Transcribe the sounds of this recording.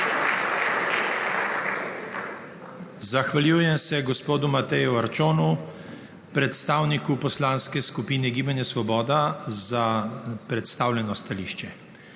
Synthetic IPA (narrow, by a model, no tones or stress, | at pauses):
zaxʋaljuːjɛmsɛɡɔspoːd̪umat̪ɛjuaɾt͡ʃoːnu | pɾɛt̪st̪aːwnikupɔslaːnskɛskupiːnɛɡiːbanjasʋɔbɔːd̪azapɾɛt̪st̪aːwlʲɛnɔst̪aliːʃt͡ʃɛ